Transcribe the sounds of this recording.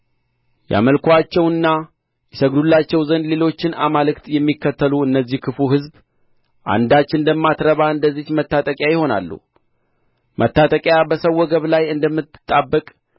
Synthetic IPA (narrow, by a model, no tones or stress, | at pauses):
ja̰məlkʰʷat͡ʃːɛwɨnːa | jɛsəɡd̪ulːat͡ʃːɛwzənd̪le̞lo̞t͡ʃːɪnamalɨkt̪jɛmːikːət̪ʰːəluɨnːəzːihkʰɨfuɦɨzb | ʔa̰nd̪at͡ʃːɪnd̪əmːat̪ɾəβaɨnd̪əzːihmət̪ːat̪ʼəkʼjajɪho̞na̰lːṵ | mʔət̪ːat̪ʼəkʼjabəsəwːɔɡəβlajɨnd̪əmːɨt̪ːɨ̥t̪ʼːabːəkʼ